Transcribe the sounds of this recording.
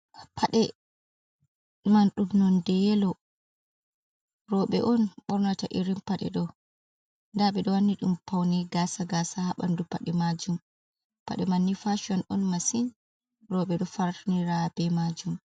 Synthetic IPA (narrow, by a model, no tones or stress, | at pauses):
pʰaɗɛ | manɗumnɔndɛjɛlɔ | ɾɔɓɛʔɔnɓɔɾnataʔiɾimpaɗɛ̰ɗɔ | ndaɓɛɗɔwanːiɗumpʰawnɛɡaːsaɡasahaɓa̰ndupaɗɛmad͡ʒum | pa̰ɗɛmanːifaʃiɔnɔnmasin | ɾɔɓɛɗɔfaɾtuniɾabɛmad͡ʒum